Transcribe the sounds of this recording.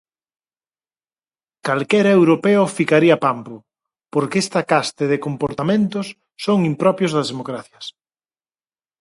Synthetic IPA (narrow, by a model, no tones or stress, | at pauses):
kalkɛɾɐewɾopeʊfikaɾiɐpampʊ | poɾkest̪ɐkast̪eðɪkompoɾt̪amẽnt̪ʊsː | oŋimpɾɔpjozðɐzðemokɾaθjɐs